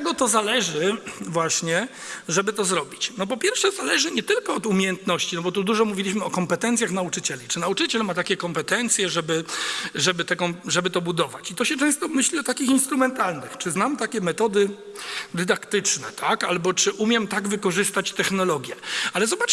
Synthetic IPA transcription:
ɛɡɔt̪ɔzalɛʐɘvwaɕɲɛ | ʐɛbɘt̪ɔzɾɔbʲit͡ɕnɔp̬ɔpʲjɛɾfʂɛzalɛʐɘɲɛt̪ɘlkɔːd̪umʲejɛnt̪nɔɕt͡ɕinɔbɔt̪ud̪uʐɔmuvʲilʲiɕmɘɔkɔmpɛt̪ɛnt̪sjaxnaut͡ʂɘt͡ɕɛlʲit͡ʂɘnaut͡ʂɘt͡ɕɛlmat̪akʲɛkɔmpɛt̪ɛnt̪sʲjɛʐɛbɘʐɛbɘt̪ɛkɔmʐɛbɘt̪ɔbud̪ɔvat͡ɕit̪ɔɕɛt͡ʂɛ̃w̃st̪ɔmɘɕlʲiɔt̪akʲixinst̪ɾumɛnt̪alnɘxt͡ʂɘznamt̪akʲɛmɛt̪ɔd̪ɘ | d̪ɘd̪akt̪ɘt͡ʂnɛt̪ʰakalbɔt͡ʂɘʔumʲjɛmt̪aɡvɘkɔʐɘst̪at͡ɕt̪ɛxnɔlɔɡʲjɛalɛzɔbat͡ʂ

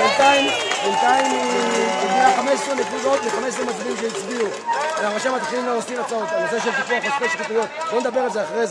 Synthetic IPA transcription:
ent̪aimbent̪aimiɡmeaχame̞sʃonekvuzo̞t̪veχamessʁemat͡sad̪imʃejit͡sbiu | veamaʃemat̪χilimleosimat͡saot̪avalzeaʃ̬evt̪ikuaχet̪koʃtat̪ujo̞t̪̚boned̪abe̞ʁelzeaχaʁez

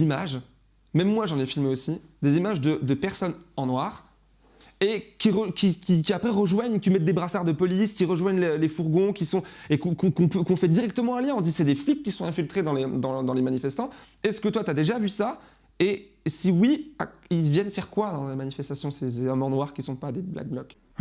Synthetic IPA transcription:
imaʒ | mɛmːwaʒɑ̃nɛfilmeosid̪ezimaʒd̪əd̪əpɛʁsɔnɑ̃nwaːʁ | ekʲiʁəkʲikʲikʲiapχɛʁəʒwaɲkʲimɛt̪̚d̪ebʁasaʁd̪əpɔliskʲiʁəʒwaɲlelefuʁɡɔ̃kʲisɔ̃ekɔ̃kɔ̃kɔ̃pøkɔ̃fɛd̪iʁɛk̚t̪əmɑ̃ɛ̃ljɛ̃ɔ̃d̪isɛd̪eflikʲːisɔ̃ɛ̃filt̪χed̪ɑ̃led̪ɑ̃d̪ɑ̃lemanifɛst̪ɑ̃ | ɛskət̪wat̪yad̪eʒavysa | e | siwiailvjɛnfɛʁkwad̪ɑ̃lemanifɛst̪asjɔ̃sezeɔmɑ̃nwaʁkʲisɔ̃pad̪ebla̰k̚blɔk

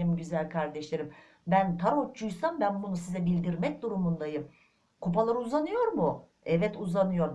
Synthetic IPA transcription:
ɾimɟyzælʲkʰaɾd̪ɛʃlʲe̞ɾim | bænt̪ʰaɾo̞t͡ʃʰːujsambænbunusizɛbilʲd̪iɾmɛc̚d̪uɾumund̪ajɯm | kʰup̬alˠaɾɯuzanɯjo̞ɾmʊ | ɛvɛt̪uzanɯjo̞ɾ

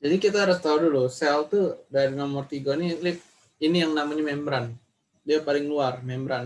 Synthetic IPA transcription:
d͡ʒadikit̪aaɾʊst̪audulusɛlt̪udaɾinɔmʊrt̪iɡɔniklɪp̚ | inijaŋnamaɲamɛmbɾan | diapalɪŋluarmɛmbɾan

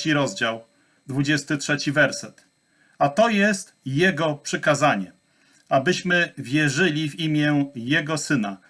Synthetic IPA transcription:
iɾɔzd͡ʑaw | d̪vud͡ʑɛst̪ɘtʂɛt͡ɕivɛɾsɛt̪ | at̪ɔjɛst̪jɛɡɔpʂɘkazaɲɛ | abɘɕmɘvʲjɛʐɘlʲivimʲjɛjɛɡɔsɘna

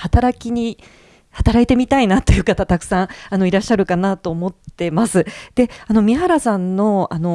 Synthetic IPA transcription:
hat̪aɾakʲiɲ̟i | hat̪aɾait̪e̞mʲit̪ainat̪o̞jɯ̟ːkat̪at̪akɯ̟̥sãɰ̃ano̞iɾaɕːaɾɯ̟kanat̪o̞ːmo̞t̪ːe̞masɨd̪̥e̞ano̞mʲiɦaɾasãnːo̞ano̞

